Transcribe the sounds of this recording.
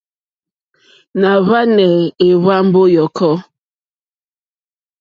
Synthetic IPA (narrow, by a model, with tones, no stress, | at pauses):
na˨βa˦nɛ˨e˨βa˦m̩˦bo˦jɔ˨kʰɔ˦